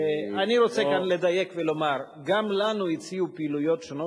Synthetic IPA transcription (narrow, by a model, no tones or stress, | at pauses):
aniʁo̞t͡sekanle̞d̪aje̞kvelo̞maʁ | ɡamlanuit͡siupiiːlujo̞tʃono